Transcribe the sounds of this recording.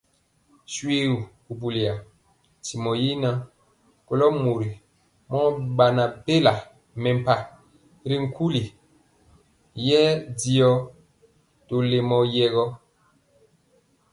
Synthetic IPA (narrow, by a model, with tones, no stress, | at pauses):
sɥwe˦u˨ku˨bu˨li˨a˨ | ti˨mɔ˨ji˦na˦ | ko˦lɔ˦mu˨ɾi˨ | mɔ˦ba˨na˨be˦la˨ | mɛ˨m˨pa˨ | ɾi˨ŋ̩˨ku˦li˨ | jɛ˦di˦ɔ˦ | to˨le˨mɔ˨jɛ˦ɣɔ˦